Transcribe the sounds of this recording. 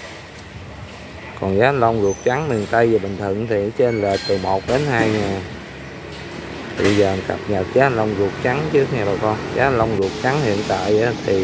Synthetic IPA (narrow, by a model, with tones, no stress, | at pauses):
kɔ˨˩nzaː˨˦˧lə˧wŋ͡mzu˨˩ək̚t͡ɕa˨˦ŋmi˨˩ŋt̪ə˧jzəː˨˩ɓï˨˩ŋ̟t̪ʰɨ̰˧˨ŋt̪ʰi˨˩n˨˦t͡ɕe˧nlḛ˧˨t̪ɨ˨˩mo˨˩t̚ɗe˨˦nhaː˧jɲaː˨˩ | t̪ʰi˧˨˩ə˧zəː˨˩˨nka̰˨˩p̚ɲə˨˩t̚zaː˨˦˧lə˧wŋ͡mzu˨˩ək̚t͡ɕa˨˦ŋt͡ɕɨ˦˥əŋaː˨˩ɓaː˨˩kɔ˧nzaː˨˦lə˧wŋ͡mzu˨˩ək̚t͡ɕa˨˦ŋhḭ˧˨ənt̪a̰ː˧˨jʔaː˨˦t̪ʰi˨˩